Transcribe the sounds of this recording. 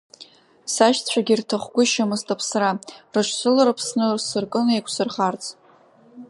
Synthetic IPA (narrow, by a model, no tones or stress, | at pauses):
saʃt͡ɕʷʰaɡʲirtʰaχʷɡʷʊʃamɨztʰʼapʰsrarɨʃʷʰsɨlaɾapʰsnɨrsɨrkʼɨnekʷʰʼsɨrχart͡sʰʼ